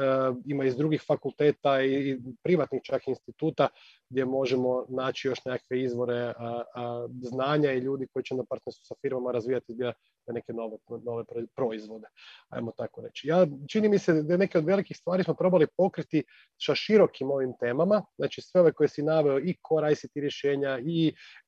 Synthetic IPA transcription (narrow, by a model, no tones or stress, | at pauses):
imaizd̪ɾuɡixfakulˠt̪e̞ːt̪aipɾiʋat̪nixt͡ʃakiinst̪it̪uːt̪a | ɡ̚d̪je̞mo̞ʒemo̞naːt͡ʃijo̞ʃnekakʋe̞izʋo̞ɾe̞ | znaːɲaiʎuːd̪iko̞jit͡ʃenapaɾt̪nenst̪u̥safiɾmamaɾazʋijat̪ib | t̪ene̞ke̞no̞ʋeno̞ʋe̞ppɾo̞izʋo̞d̪e̞a̰jmot̪akoɾe̞̰t͡ʃijaːt͡ʃinimised̪aene̞keod̪ʋe̞likixst̪ʋaːɾismo̞pɾo̞balipo̞kɾit̪i | ʃaʃiɾo̞kimo̞ʋimt̪eːmamazznʔaːt͡ʃisʋe̞o̞ʋe̞ko̞jesinaʋeo̞ikʰoɾajsit̪iɾje̞ʃeːɲai